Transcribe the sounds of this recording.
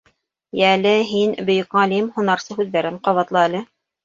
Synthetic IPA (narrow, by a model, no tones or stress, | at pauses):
jæælɘɦinbɵ̆jɵ̆kʁɑlimhunɑɾsɤɦʉðːæɾɘɴqɑβɑt̪lˠɤælɘ